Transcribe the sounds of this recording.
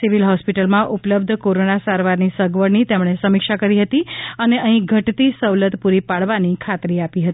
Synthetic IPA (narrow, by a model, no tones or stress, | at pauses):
siʋilɦɔspiʈəlmãʔupləb̚d̪ʱkoɾonasaɾʋaɾnisəɡʋəɾnit̪emɽ̃esəmɪkʃakəɾiɦət̪iəneʔəɦĩɡʱəʈt̪isəʋlət̪puɾipaɽʋanikʰat̪ɾiapiɦət̪i